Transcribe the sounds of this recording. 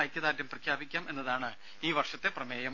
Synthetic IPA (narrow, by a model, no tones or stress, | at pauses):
jkʲːɐðaːtjɐmprɐkʰjaːbikʲːaːme̞nːɐðaːɳɨ | iːʋɐrʂɐt̪ːe̞prɐmeːjɐm